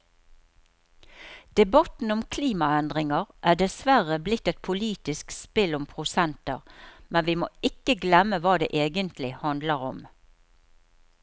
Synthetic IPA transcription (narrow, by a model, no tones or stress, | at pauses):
d̪̥ɛbɑt̪n̩ʊmkʰliːmɑɛnd̪ʁɪŋəʁʔæːɖɛsʋæʁəblɪt̪ːɛt̪̚pʰʊliːt̪ɪskspɪlʊmpʰʁʊsɛnt̪əʁmɛnʋimo̰ːɪkəɡlɛməʋɑːd̪ḛːʔeːɡənt̪lɪhɑnd̪ləʁɔm